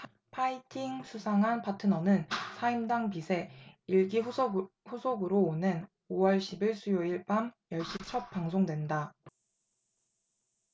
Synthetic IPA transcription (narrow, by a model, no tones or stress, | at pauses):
pʰaitʰiŋsʰusʰaŋɦanpʰatʰɯnʌnɯnsʰaimdaŋpisʰe̞iɭɡi | ɸusʰoɡɯɾoːnen | owʌɭɕʰibiɭs͈ʰujoiɭpamjʌɭɕ͈it͡ɕʰʌp̚p͈aŋsʰoŋdwe̞nda